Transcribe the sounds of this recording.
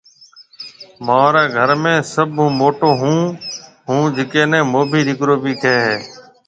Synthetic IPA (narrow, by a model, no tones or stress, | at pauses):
mãːɾeːɡʱəɾmẽːsəbʱɦũːmoːʈoːɦũː | ɦũːd͡ʒɪkẽːnɛ̃ːmoːbʱiːdɪkɾoːbiːk̪ʰeːɦeː